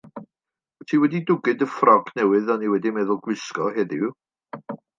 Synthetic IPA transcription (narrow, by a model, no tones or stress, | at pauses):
tʰiːwɛdidʊɡɨdəfrɔɡnɛwɨðɔniwɛdimɛðʊlˠɡwɪskɔheðɪw